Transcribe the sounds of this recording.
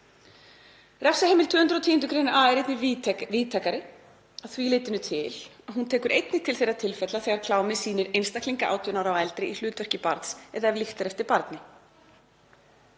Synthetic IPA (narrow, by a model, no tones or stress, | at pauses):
rɛfsaheːjmɪlt̪ʰvʏːhʏnt̪ɾɔt̪ʰiːjʏnt̪̬ʏkʰɾeːjnaaːɛɾejt̪nɪviːt̪ʰakaɾɪ | aðθvileːjt̪ɪnʏt̪ʰɪlaɦunt̪ʰɛːkʏɾʔejt̪nɪt̪ʰɪlθejɾːat̪ʰɪlfɛt̪laθɛɣaɾkʰlaːwmɪsiːnɪɾejnst̪akliŋkaʔa̰wt̪ʰjʏnawɾawɛlt̪ɾɪʔil̥ʏːt̪vɛr̥cɪpaɾt̪sɛðaɛvliht̪aɾɛft̪ɪɾpaɾt̪nɪ